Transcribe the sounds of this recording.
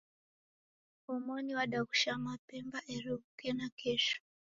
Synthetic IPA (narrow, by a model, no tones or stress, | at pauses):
ɔmɔniwaɗakuʃamapɛmbaʔɛɾiukɛnakʰɛʃɔ̥